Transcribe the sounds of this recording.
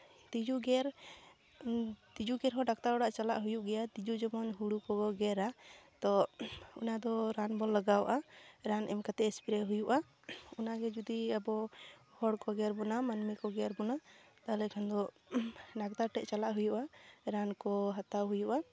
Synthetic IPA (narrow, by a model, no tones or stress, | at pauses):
t̪id͡ʒuɡɛɾ | t̪id͡ʒuɡɛɾɦɔɖak̚t̪aɾɔɽaʔt͡ʃalaʔɦujuʔɡɛjat̪id͡ʒud͡ʒɔmɔnɦuɽukɔɡɔɡɛɾat̪ɔṵnad̪ɔɾanbɔlːəɡawʔaɾanʔɛmkat̪ɛʔɛspiɾɛɦujuʔa | unaɡɛd͡ʒud̪iabɔhɔɽkɔɡɛɾbɔnamanmikɔɡɛɾbɔnat̪alɛkʰand̪ɔ | ɖak̚t̪aɾʈɛʔt͡ʃalaʔɦujuʔaɾankɔɦat̪aɦujuʔa